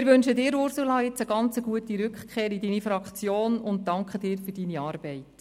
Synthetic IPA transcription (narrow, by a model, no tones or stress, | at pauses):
ɪɾʋʏnʃədɪːɾʊɾsulɑːjɪt͡səɡɑnt͡səɡuətiɾʏkχkʰeːɾidinifɾɑkt͡sjoːnʊnt̚tɑŋkχəd̥ɪːɾfydiniɑːɾb̥ɛɪt